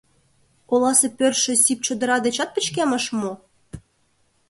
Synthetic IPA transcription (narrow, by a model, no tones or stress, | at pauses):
olˠɑsĕpørʃĕsʲip̚t͡ɕod̪ɤ̆ɾɑd̪et͡ɕɑt̪̚pə̆t͡ɕkæmə̆ʃmo